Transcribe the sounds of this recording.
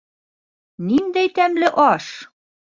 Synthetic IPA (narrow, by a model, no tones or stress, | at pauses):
nind̪æjt̪æmlɘʔɒʃ